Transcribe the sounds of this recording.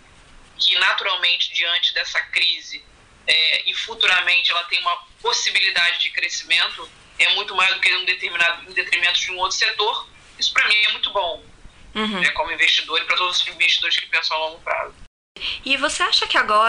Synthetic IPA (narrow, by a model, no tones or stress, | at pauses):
kɪnat̪uɾawmẽnt͡ʃɪ̥d͡ʒiɐ̃nt͡ʃɪd̪ɛsɐkɾizɪ | ɛɪfut̪uɾamẽnt͡ʃɪɛlɐt̪ẽj̃ũmɐposibilid̪ad͡ʒɪd͡ʒɪkɾesimẽnt̪ʊ | ɛmũj̃t̪ʊmajɔzd̪ʊkɪũd̪et̪eɾminad̪ʊ̃d̪et̪eɾmimẽnt̪ʊ̥d͡ʒɪũowt̪ɾʊ̥set̪oχ | isʊ̥pɾɐmĩɛiɛmũj̃t̪ʊbõw̩̃ | ɦ̪ɛkõmʊĩveʃt͡ʃid̪oɾɪpɾɐt̪od̪ʊzʊzĩveʃt͡ʃid̪oɾɪʃkɪ̥pẽsɐ̃w̃awlõŋɡʊpɾa̰zʊ | ɪvoseaʃɐkɪaɡɔ